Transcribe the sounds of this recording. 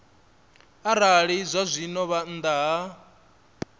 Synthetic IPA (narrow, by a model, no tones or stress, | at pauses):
aɾaɺizʷazʷinɔβand̪aɦa